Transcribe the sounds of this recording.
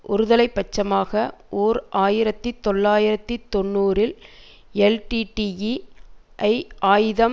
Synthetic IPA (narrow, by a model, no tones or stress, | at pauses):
ʔʊɾɯðɐlɐɪpːɐt͡ʃːɐmaːɣɐʔoːɾʔaːjɪɾɐt̪ːɯt̪ːɔɭːaːjɪɾɐt̪ːɯt̪ːɔnːuːɾɪl | ɛlʈiʈijiʔɐɪʔaːjɪðɐm